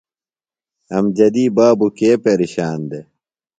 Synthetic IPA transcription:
ɐmd͡ʑɐd̪iːbaːbukeːpeɾiɕaːnd̪e

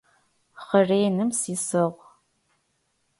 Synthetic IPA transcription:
χəreːjnɨmsiːsɨʁʷ

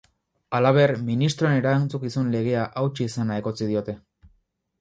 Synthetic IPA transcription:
alaβ̞e̞ɾminist̪ɾo̞eneɾant͡sukisunle̞ɣ̞e̞aʔawt͡ʃiːsanaeko̞t͡sið̞io̞t̪e̞

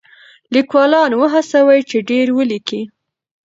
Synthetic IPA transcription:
likwɑlɑnwəɦasawajt͡ʃeɖeɾwəliki

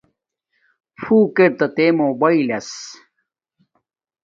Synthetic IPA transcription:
fuːkeɾ̚t̪ɐt̪emobɐilɐs

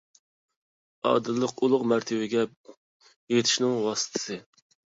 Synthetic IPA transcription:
ɑ̰ːd̪ɨlˠːəqulˠʊqmæɾt̪ʰɪbɪɡʲɛ | jet̪ʰɪ̥ʃnɪŋwɑːsɨ̥t̪ʰɨ̥sɨ

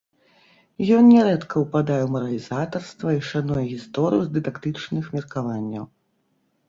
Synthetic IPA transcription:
jɔnnʲɛɾɛt̪kʰɐwpad̪ajɛwmɐɾɐlʲizat̪ɐrst̪vɐiʂanujɛɣʲist̪ɔɾɨjuzd̪ɨd̪akt̪ɨt͡ʂnɨxmʲɛrkavanʲːɐw

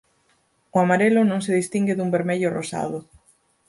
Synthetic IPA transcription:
ʊamaɾelʊnõŋseðist̪iŋɡɪðumbeɾmeʎʊrosa̰ðʊ

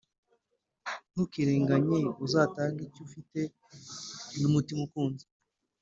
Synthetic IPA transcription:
n̥ukiɾeːŋɡaɲeuzaːtaːŋɡicufite̞ | numutimukuːnze̥

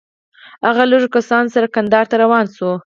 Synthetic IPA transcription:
haɣaloʐokasɑnosaɾakand̪ɑɾt̪aɾawɑnsu

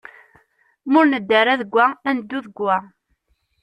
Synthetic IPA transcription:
mʊɾnəd̪ːəɾaðəɡʷːæænd̪ːuðəɡʷːæ

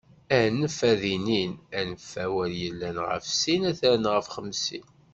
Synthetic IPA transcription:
ænəfæðininænəfːæwæljəlːænʁə̰fsinæθæɾnʁəfχəmsḭn

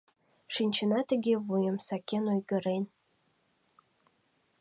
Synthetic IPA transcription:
ʃinʲt͡ɕə̆nɑt̪ə̆ɡʲevujə̆msɑkʲenojɡə̆ɾen

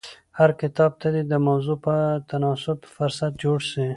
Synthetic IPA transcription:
haɾkɪt̪ɑb̚t̪ad̪id̪əmawzupət̪anɑsʊbfʊɾsat̪̚d͡ʒoɽʃi

